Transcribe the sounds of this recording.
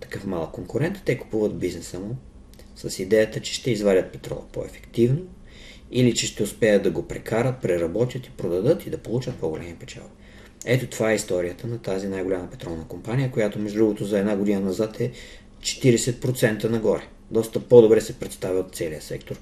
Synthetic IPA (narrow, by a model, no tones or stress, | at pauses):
t̪ɐ̥kɤfmalˠəkːoŋkʊɾɛnt̪t̪ɛku̥puvəd̪biznɛsəmʊ | səsid̪ɛjət̪ət͡ʃɛ̥ʃt̪ɛizvadʲət̪̚pɛ̥t̪ɾɔ̰lˠɐ̰po̰ɛ̰fɛ̥kt̪ivno | ilit͡ʃɛʃt̪ɛʊspɛjət̪̚d̪ɐɡopɾɛkʰaɾət̪̚pɾɛɾɐbɔt̪ʲjət̪i̥pɾod̪ɐd̪ɤt̪id̪ɐpolˠut͡ʃət̪̚poɡolʲʔɛmipɛt͡ʃa̰lˠi | ɛt̪ot̪ovaɛist̪ɔɾijət̪ənɐt̪azinajɡolʲaməpɛt̪ɾɔlˠnəkompanʲijəkojat̪omɛʒud̪ɾuɡot̪ʊzɐɛd̪naɡʊd̪inənɐzat̪ʰɛ | t͡ʃɛ̥t̪iɾɛsɛt̪̚pɾot̪sɛnt̪ənɐɡɔɾɛ | d̪ɔst̪əpod̪obɾɛsɛpɾɛt̪st̪avʲiot̪sɛliəsɛkt̪oɾ